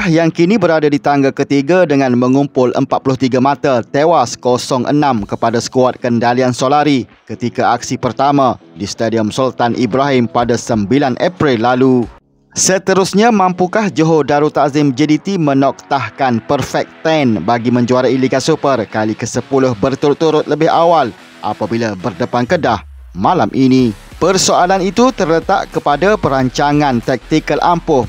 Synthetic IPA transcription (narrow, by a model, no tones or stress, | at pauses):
hjaŋkinibəɾadadit̪aŋɡakət̪iɡadəŋãnmə̃ŋumpʊlʔə̰mpat̪̚pulʊht̪iɡamat̪at̪ewaskɔsɔŋʔə̰nãmkəpadasə̥kuat̪̚kəndaliansolaɾikət̪ikaʔak̚sipərt̪amãdist̪adiəmsult̪anʔibɾaɦimpadasəmbilanʔapɾɪlːalu | sət̪əɾʊsɲãmãmpukahd͡ʒoɦodaɾut̪azɪmd͡ʒədit̪imə̃nɔk̚t̪ahkanpərfɛk̚t̪ɛnbaɡimə̃ɲd͡ʒuaɾailiɡasupərkalikəsəpulʊhbərt̪uɾʊt̪ːuɾʊt̪̚ləbɪɦawal | ʔa̰pabilabərdəpankədah | mãlamʔinĩ | pərsoalanit̪ut̪ərlət̪a̰ʔkəpadapəɾaɲt͡ʃaŋãnt̪ɛk̚t̪ikəlʔampʊh